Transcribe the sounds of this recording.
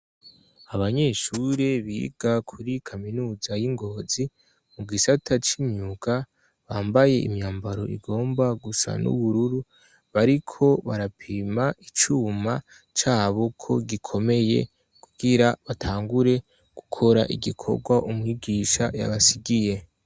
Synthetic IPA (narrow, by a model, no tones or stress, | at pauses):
aβaɲe̞ːʃuɾeβiːɡ̥akʰuɾikʰaminuːzajiŋɡo̞ːzi | muɡisatʰat͡ʃimɲuɡ̥a | βaːmbaje̞ḭmɲaːmbaɾo̞̰ʔḭɡo̞ːmbaɡusa̰nṵβuɾuɾu | βaɾikʰo̞βa̰ɾapʰimait͡ʃuːma | t͡ʃaːβo̞kʰo̞ɡikʰo̞me̞je̞̰ | kuɡ̥iɾaβatʰaːŋɡuɾe̞ | ɡ̥ukʰo̞ɾa̰ʔiɡikʰo̞̰ɡwaʔumŋiːɡiːʃa̰ja̰βasiɡije̞